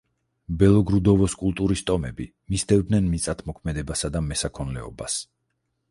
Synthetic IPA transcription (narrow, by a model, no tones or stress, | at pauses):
bɛlˠɔɡɾud̪ɔvɔskʼulˠt̪ʼuɾist̪ʼɔmɛbi | misd̪ɛvd̪nɛnmit̪sʼat̪ʰmɔkʰmɛd̪ɛbasad̪amɛsakʰɔnlɛɔ̰bas